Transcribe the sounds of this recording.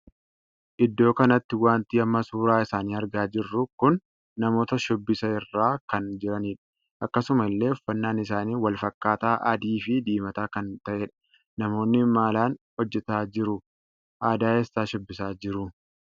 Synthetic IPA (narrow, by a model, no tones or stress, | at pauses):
ʔɪd̪ːo̞ːkɐnɐt̪ːɪwaːnt̪iːɐmːɐsuːɾaːɪsaːniːɐɾɡaːd͡ʒɪrːʊkʊnː | ɐmo̞ːt̪ɐʃɔbːɪsɐɪrːaːkɐnd͡ʒɪɾɐniːᶑɐ̥ | ʔɐkːɐsʊmɐɪlːe̞ːɔfːɐnːaːnɪsaːniːwɐlfɐkːaːt̪aːʔɐd̪iːfɪd̪iːmɐt̪aːkɐnt̪ɐʔeːᶑɐ̥ | nɐmo̞ːnːɪmaːlaːnhɔd͡ʒːɛt̪aːd͡ʒɪɾʊ | ʔaːd̪aːesːaːʃɔbːɪsaːd͡ʒɪɾʊ